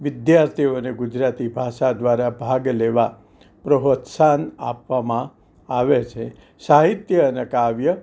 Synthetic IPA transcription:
ʋɪd̪jaɾt̪ʰioneɡud͡ʒɾat̪ibʱaʃad̪ʋaɾabʱaɡleʋa | pɾəɦot̪sana̰pʋamã | aʋet͡ʃʰe | saɦit̪jəːnekaʋjə

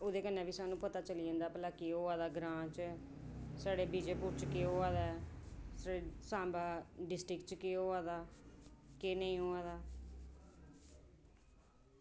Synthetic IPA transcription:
oːd̪eːkənːɛ̃ːbiːsaːnũːpət̪aːt͡ʃəliːə̃ːnd̪aːpəlaːkeːɦoːaːd̪aːɡɾãːt͡ʃ | saːɽeːbiːd͡ʒeːpuːɾt͡ʃkeːɦoːaːd̪aːɛsaeːsãːbaːɖɪsʈɾɪkt͡ʃkeːoːaːd̪aː | keːnəĩːɦoːaːd̪aː

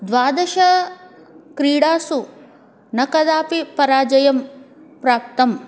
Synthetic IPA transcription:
d̪ʋaːd̪ɐʃɐ | kɾiːɽaːsu | nɐkɐd̪aːpipɐɾaːd͡ʒɐjɐmpɾaːp̚t̪ɐm

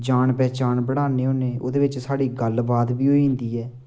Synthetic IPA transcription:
d͡ʒaːnpɛːt͡ʃaːnbəɽaːneːɦoːneːo̰ːd̪eːʋɪt͡ʃsaːɽiːɡəlbaːd̪biːɦoːiːɦʊ̃nd̪iːɛː

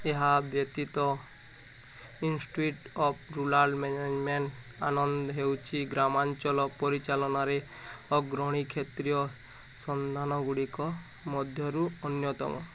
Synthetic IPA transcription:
eɦabjɔt̪it̪ɔ | insʈuiʈɔpʰɾulaɾɖmened͡ʒmeɳʈ | a̰nɔnd̪ɔɦewt͡ʃʰiɡɾamant͡ʃɔlɔpɔɾit͡ʃalɔnaɾe | ɔɡɾɔɽ̃ikʰet̪ɾijɔ | sɔnd̪ʱanɔɡuɽikɔ | mɔd̪ʱjɔɾuɔnjɔt̪ɔ̰mɔ̰

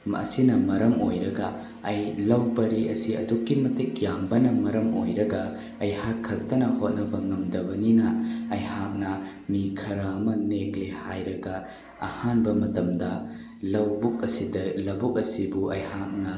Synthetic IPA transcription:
mɐ̰sinɐmɐɾɐmojɾɐɡɐː | jlɐwbɐɾiɐsiɐ̰dukːimɐtik̚jambɐnɐmɐɾɐmo̰jɾɐɡɐ | ɐjhakʰːɐk̚tɐnɐhot̚nɐbɐŋɐmdɐbɐninɐɐjhak̚nɐ | mikʰɐɾɐːmɐneklehajɾɐɡɐ | ɐ̰hanbɐmɐtɐmdɐ | lɐwbuk̚ɐsidɐlɐbuk̚ɐsibuʔɐjhak̚nɐ

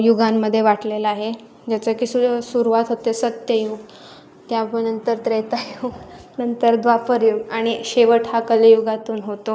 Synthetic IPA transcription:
juɡamːəd̪ʱːjeʋaʈleləaːɦe | d͡ʑjat͡səkisusuɾuʋat̪ɦot̪esət̪jəjuːɡ | t̪japənənt̪əɾt̪ɾet̪ajuɡnənt̪əɾd̪ʋapəɾjuɡaɽ̃iɕeʋəʈɦakələjuɡat̪uːnɦot̪o

